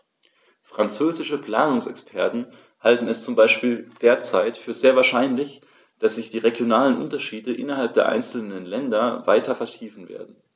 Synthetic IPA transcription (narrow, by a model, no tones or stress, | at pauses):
fʁ̥ant͡søːzɪʃəpl̥aːnʊŋsɛkspʰɛɐtn̩ | haltn̩ɛst͡sʊmbaɪʃpiːld̥eːɐt͡saɪtfyːɐzeːɐvaːɐʃaɪnlɪç | d̥asz̥ɪçd̥iːʁeɡjonaːlənʔʊ̰ntɐʃiːdəʔɪnɐɦalp̚d̥eːɐʔa̰ɪnt͡sl̩nənlɛndɐva̰ɪtʰɐfɛɐtʰiːfn̩vḛːɐdn̩